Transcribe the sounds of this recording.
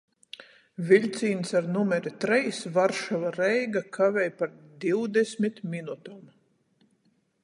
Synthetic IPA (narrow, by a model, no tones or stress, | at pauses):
vʲilʲt̪siːnsaɾnumɛɾit̪ɾɛjsvaɾʃavaɾɛjɡakʰavʲɛjpaɾd̪iwd̪ɛsʲmʲit̪minut̪am